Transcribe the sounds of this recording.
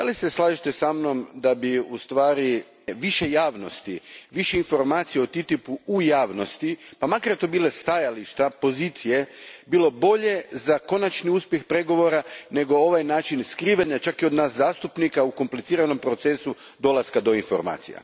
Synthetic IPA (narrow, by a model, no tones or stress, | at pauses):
d̪alise̞slˠaːʒit̪e̞samno̞md̪abiust̪ʋaːɾi | ʋiʃe̞jaːʋno̞st̪iʋiʃe̞info̞ɾmaːt̪sijeot̪it̪ipuujaːʋno̞st̪ipamakaɾet̪obiːlest̪ajaliʃt̪apo̞ziːt̪sije̞biːlˠo̞bo̞ʎe̞zako̞nat͡ʃniuspjexpɾe̞ɡo̞ʋo̞ɾane̞ɡo̞o̞ʋajnaːt͡ʃinskɾiːʋaɲat͡ʃakio̞d̪naːszaːst̪upnikauko̞mplit̪iːɾano̞mpɾo̞t̪sesu | d̪o̞laskad̪o̞info̞̰ɾma̰ːt̪sḭja̰